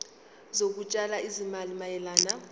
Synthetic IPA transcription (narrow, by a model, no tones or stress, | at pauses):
zok̬ut͡ʃʼalaizimalimajɛlaːna